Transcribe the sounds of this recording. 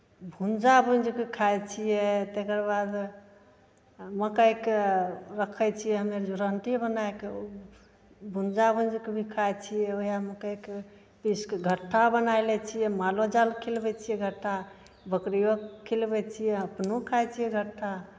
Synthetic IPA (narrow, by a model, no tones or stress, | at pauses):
bʱund͡ʒabʱund͡ʒkekʰajt͡ʃʰijɛt̪ekəɾbad̪ | məkəjkeɾəkʰəjt͡ʃʰijɛɦəmeɾd͡ʒuɾəɳʈibənaekeo | bʱund͡ʒabʱũnd͡ʒkebʱikʰajt͡ʃʰijɛojaməkəjke | piskeɡʱəʈʰːabənajlɛt͡ʃʰijɛmalod͡ʒalkʰilbɛt͡ʃʰijɛɡʱəʈʰːa | bəkɾijokʰːilbɛt͡ʃʰijɛəpnokʰajt͡ʃʰijɛɡʱəʈʰːa